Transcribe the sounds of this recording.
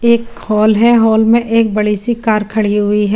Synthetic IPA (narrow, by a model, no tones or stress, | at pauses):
eːkhɔːlɦɛɦɔːlmẽʔeːk̚bɐɽisikaːɾkʰɐɽiɦʊiɦɛː